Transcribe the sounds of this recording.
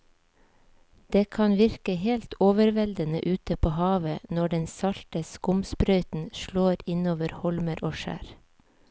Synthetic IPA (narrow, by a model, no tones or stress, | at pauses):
d̪̥eːkʰɑnʋɪɾkəheːlt̪oːʋəɾʋɛld̪ənə̰ʔʉːt̪əpʰoːhɑːʋənɔɖɛnsɑɾt̪əskʊmspɾœʏt̪n̩ʃloːɾɪnoːʋəɾhɔlməɾʔoːʃæ̰ːɾ